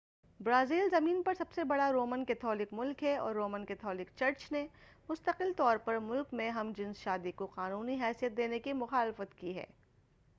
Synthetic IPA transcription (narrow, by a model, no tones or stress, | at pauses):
bɾaːziːlzɐmiːnpɐɾsɐbsebɐɽaɾoːmənkɛːt̪ʰɔːlɪkmʊlkɦɛɔ̰ːɾːoːmə̃nkɛːt̪ʰɔːlɪk̚t͡ʃɐɾt͡ʃne | mʊst̪əqɪlt̪ɔːɾpɐɾmʊlkmẽɦɐmd͡ʒɪ̃nsʃaːd̪ikoqaːnuːniɦɛːsijət̪̚d̪eːnekimʊxaːlɪfət̪kiɦɛ̰ː